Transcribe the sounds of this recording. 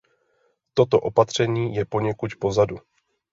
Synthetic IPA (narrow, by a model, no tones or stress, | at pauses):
t̪o̞t̪o̞ʔo̞pat̪r̝̥ɛɲiːjɛpo̞ɲɛkucpo̞zadu